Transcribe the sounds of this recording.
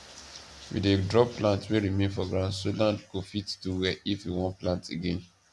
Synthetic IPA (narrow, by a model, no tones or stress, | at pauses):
wḭdedɹɔpplãntweɹimẽnfɔɡɹãsolãndkofitduwɛifjiwɔ̃nplãntḛɡẽn